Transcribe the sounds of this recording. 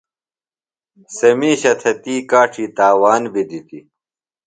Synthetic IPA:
sɐmiːɕɐt̪ʰɐt̪iːkaːʈʰiːt̪aːwaːnbid̪it̪i

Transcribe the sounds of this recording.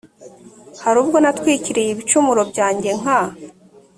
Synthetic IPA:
haɾuːb̚ɡo̞natwiːciɾejeβit͡ʃumuɾo̞bɟaːɲɟe̞ŋ̥a

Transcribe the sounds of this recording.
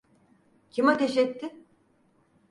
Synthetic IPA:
cʰimat̪ʰeʃɛt̪ʰːɪ

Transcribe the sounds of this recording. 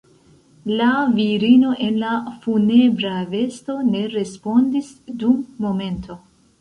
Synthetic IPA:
laviɾino̞ʔe̞nlafune̞bɾave̞sto̞ne̞ɾe̞spo̞ndisdumːo̞me̞ntʰo̞

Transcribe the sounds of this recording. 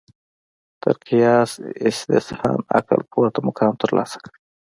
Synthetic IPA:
t̪əɾqijɑːsɪst̪ɪ̰sɑ̰ːna̰qa̰lpʰoɾt̪amʊkʰɑːmt̪əɾlɑ̰ːsḁkəɽ

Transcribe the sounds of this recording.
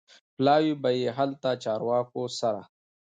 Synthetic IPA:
plaːwibɐjeɦɐlt̪at͡ʃaːɾwaːkosɐɾa̰

